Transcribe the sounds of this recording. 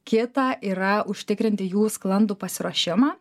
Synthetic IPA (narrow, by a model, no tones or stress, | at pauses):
kʲɪt̪ɑːʔiːɾɐʊʃʲt̪ʲɪkɾʲɪnʲt̪ʲɪjuːsklˠɐnd̪uːpɐsʲɪɾoːʃʲɪmɑː